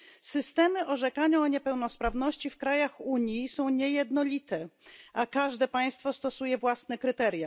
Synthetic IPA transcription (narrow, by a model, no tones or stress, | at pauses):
sɘst̪ɛmɘʔɔʐɛkaɲaːɲɛpɛwnɔspɾavnɔɕt͡ɕifkɾajaxuɲjisɔ̃w̃ɲɛjɛd̪nɔlʲit̪ɛʔakaʐd̪ɛpaj̃st̪fɔst̪ɔsujɛvwasnɛkɾɘt̪ɛɾʲja